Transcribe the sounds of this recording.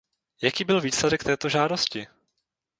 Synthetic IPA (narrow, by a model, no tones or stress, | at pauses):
jakiːbɪlviːslɛdɛk̚t̪ɛːt̪o̞ʒaːdoscɪ